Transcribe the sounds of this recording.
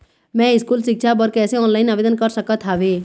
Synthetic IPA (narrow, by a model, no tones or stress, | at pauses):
mɛ̃ɪskuːlsɪkʃʰabəɾkɛːseɔːnlaːɪnaːʋeːd̪ənkəɾsəkət̪ʰɦaːʋeː